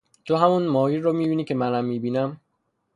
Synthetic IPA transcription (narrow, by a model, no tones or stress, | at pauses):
t̪ʰoɦæmunmɒːjiɾːomiːbiːniːcʰemænæmːiːbiːnæm